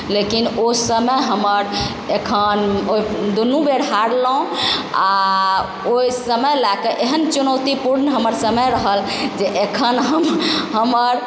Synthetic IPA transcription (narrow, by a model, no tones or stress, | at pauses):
lekinosəməjɦəməɾ | ekʰənoid̪onũbeɽɦaɽlũa | ojsəməlakeʔeɦənt͡ʃunəwt̪ipuɾnɦəməɾsəməjɾəɦəl | d͡ʒeʔekʰənɦəmɦəməɾ